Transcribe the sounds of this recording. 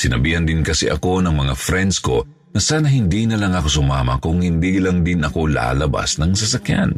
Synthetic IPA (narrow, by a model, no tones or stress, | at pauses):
sɪnɐbiːhɐnd̪ɪnkɐsɛ̰ʔɐko̞nɐŋmɐŋafɾɛnd̪sko̞̰ | nɐsaːnɐɦɪnd̪inɐlɐŋʔako̞sʊmaːmɐkʊŋhɪnd̪ilɐŋd̪ɪnʔɐko̞la̰ːlɐba̰snɐŋsɐsakja̰n